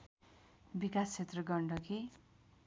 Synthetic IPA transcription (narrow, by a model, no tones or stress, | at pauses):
bikast͡sʰet̪rʌɡʌɳɖʌki